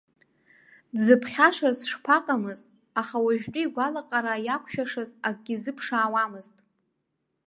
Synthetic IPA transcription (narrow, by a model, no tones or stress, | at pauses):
zɨpʰχʲaʂarsʂpʰaqʼamɨz | aχawaʒᶣtʼʊiɡʷalaqʼaɾajakʷʰʃᶣaʂɨzaɡ̚ʼɡʲizɨpʰʂaːwamɨztʼ